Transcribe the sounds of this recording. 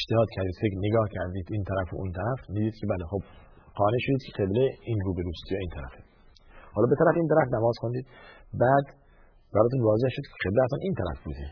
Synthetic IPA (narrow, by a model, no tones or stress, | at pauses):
eʃt̪ehɒːd̪cʰæɾd̪iːd̪fe̞kɾneɡɒːhcʰæɾd̪iːd̪iːnt̪ʰæɾæfo̰ʔunt̪ʰæɾæfniːd̪iːd̪cʰebælexob̥ | qɒːneʃod̪iːd̪kʰeqe̞bleinɾuːbe̞ɾuːst̪jɒːiːnt̪ʰæɾæ̰fe | hɒːlɒːbe̞t̪ʰæɾæfiːnt̪æɾæfnæmɒːz̥xond̪iːd̪̥bæːd̪ | bæɾɒːt̪ʰuːnvɒːzehʃod̪kʰe̥qebleæt̪ɒːnʔiːnt̪ʰæɾæ̰fbuːd̪e